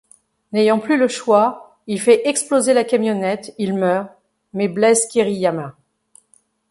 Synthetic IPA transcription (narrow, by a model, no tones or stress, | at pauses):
nejɑ̃plyləʃwa | ilfɛʔɛksplozelakamjɔnɛt̪ilmœːʁ | mɛblɛskʲeʁijamɛ̃